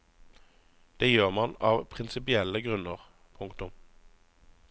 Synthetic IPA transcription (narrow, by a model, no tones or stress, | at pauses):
d̪̥eːjøːʁmɑnɑːʋpʰʁɪnsɪpɪɛləɡʁʉnəʁ | pʰʊŋkt̪ʊm